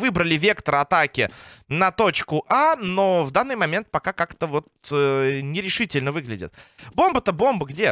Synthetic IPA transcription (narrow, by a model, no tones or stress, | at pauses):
vɨbɾəlʲɪvʲe̞kt̪əɾəɐt̪akʲɪnɐt̪o̞t͡ɕkʊʔano̞vd̪anːɨjmɐmʲe̞nt̪̚pɐkakakt̪əvo̞t̪ənʲɪɾʲɪʂɨtʲɪlʲnəvɨɡlʲɪdʲɪ̰t̪bo̞mbət̪əbo̞mbəɡdʲe̞